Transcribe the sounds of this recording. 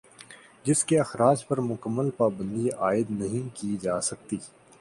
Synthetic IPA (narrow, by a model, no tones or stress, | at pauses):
d͡ʒɪskeɐxɾaːd͡ʒpɐɾmʊkəmːəlpaːbə̃nd̪iaːɪd̪nɐɦĩkid͡ʒaːsɐk̚t̪iː